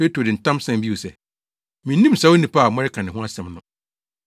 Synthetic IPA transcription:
pe˦tu˨dɪ˨n̩˨tʰã˦msɛ̃˦m˦bi˦wo˨sɛ˨ | mĩ˨nː˦ĩ˦m̩˨sa˨˦wo˦nĩ˨pa˦˨mɔ̃˦ɾɪ˦kʰa˨nɪ̃˨ɦʊ̃˦a˦sɛ̃˨mnʊ̃˨

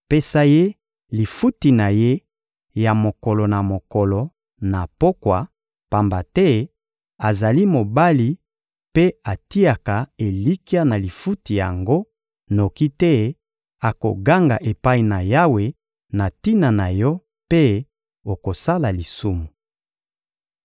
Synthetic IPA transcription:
pe˦sa˦je˦ | li˨fu˦ti˨na˨je˦ | ja˨mo˨kɔ˨lɔ˨na˨mo˨kɔ˨lɔ˨ | na˨po˦kwa˨ | pa˨mba˨tɛ˦ | a˨za˨li˦mo˨ba˦li˨ | pe˦a˨ti˦a˨ka˨e˨li˦ki˦a˦na˨li˨fu˦ti˨ja˨ŋɡo˦ | no˨ki˦tɛ˦ | a˨ko̰˨ɡa˦ŋɡa˨ʔe˨pa˦i˨na˨ja˦we˨ | na˨ti˦na˨na˨jɔ˦ | pe˦ | o˨ko˨sa˦la˨li˨su˦mu˨

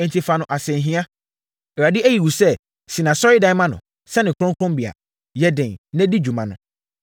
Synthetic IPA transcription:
ɛ̃˨n˨tʰi˨fa˨nʊ̃˨ʔa˨sɛ̃˨ɦĩ˦a˦˨ | ɾa˨dɪ˦ʔæ˦ji˨wu˨sɛ˦ | sɪ˨nã˨sɔ˦ɾɪ˦dã˦mã˦nʊ̰̃˨ | sɛ˦nɪ̃˨kʰʊ˦ɔ̃˦ŋ˦kʰɔ̃˦mbi˨a̰˨ | jɛ˦dɪ̃˨nɛ̃˦di˦d͡ʑu˨mã˨nʊ̰̃˨

